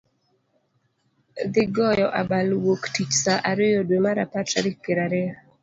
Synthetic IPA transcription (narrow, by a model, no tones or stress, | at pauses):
d̪ɪɡɔjɔʔabalwoktit͡ʃsaʔaɾɪjodwemaɾapataɾɪkːeɾaɾɪa